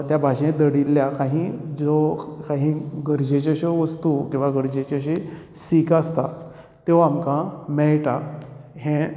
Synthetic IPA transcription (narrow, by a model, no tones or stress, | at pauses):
t̪jabʱaɕẽd̪əɽilːjakaɦĩd͡zɔkãɦĩɡəɾd͡ʑet͡ɕaɕeʋəst̪ukĩw̃ʋaɡəɾd͡ʑet͡ɕaɕisikast̪a | t̪ewamkãmɛɭʈaɦẽ